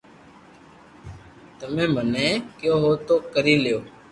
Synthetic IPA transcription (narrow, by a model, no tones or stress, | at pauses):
t̪əmẽːmənẽːkjoːɦoːt̪oːkəɾiːlɪjoː